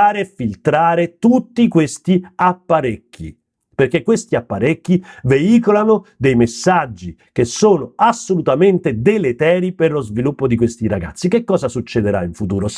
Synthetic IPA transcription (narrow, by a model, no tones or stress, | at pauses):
aːɾeːfilt̪ɾaːɾet̪ut̪ːikwest̪iapːaɾekːḭ | perkekːwest̪iapːaɾekːiveiːkolanod̪ejmesːad͡ʒːik̟esːoːnoasːolut̪ament̪ed̪elet̪ɛːɾiperlozvilupːod̪ikwest̪iɾaɡa̰t̪sːikekːɔːzasut͡ʃːed̪eɾa̰iɱfut̪uːɾo